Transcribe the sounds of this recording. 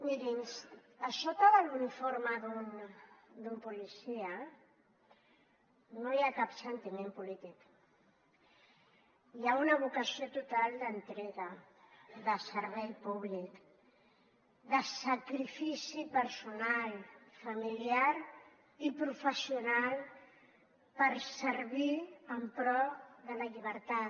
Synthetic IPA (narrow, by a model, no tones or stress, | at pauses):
miɾinsasot̪aðalunifoɾmaðun | d̪umpulisia | nojakapsent̪imẽmpulit̪ik | jaunaβukasjot̪ut̪ald̪ənt̪ɾeɣa | ðəsəɾβɛjpuβlik | ðəsakɾifisipəɾsunalfamiliaɾ | ipɾufəsiunal | pəɾsəɾβiəmpɾɔðəlaʎiβ̞əɾt̪a